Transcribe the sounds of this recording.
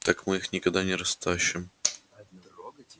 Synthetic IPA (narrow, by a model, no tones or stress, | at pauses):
t̪akmɨixnʲɪkɐɡd̪anʲɪɾɐst̪aɕːɪm